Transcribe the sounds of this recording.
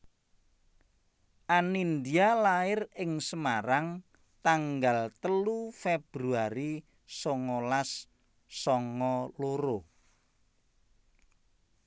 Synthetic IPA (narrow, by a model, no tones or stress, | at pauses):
ʔanind̪ialaɪrɪŋsəmaɾaŋ | t̪aŋɡalt̪əlufeb̥ɾuaɾi | sɔŋɔlasː | ɔŋɔloɾo